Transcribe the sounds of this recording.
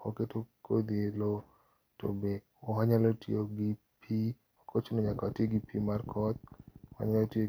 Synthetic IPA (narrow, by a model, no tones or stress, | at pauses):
oketokʰod̪ielo | to̰be | oɦaɲalotioɡipʰi | okʰot͡ʃonoɲakateɡipimarkʰɔt̪̚oha̰ɲalotjo